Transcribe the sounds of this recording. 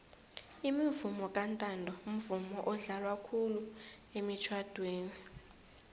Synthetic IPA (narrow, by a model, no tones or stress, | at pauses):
imivumɔkʼantʼandʱɔum̩vumɔʔɔɮalwakʰulu | emit͡ʃʰwad̥ʱweːni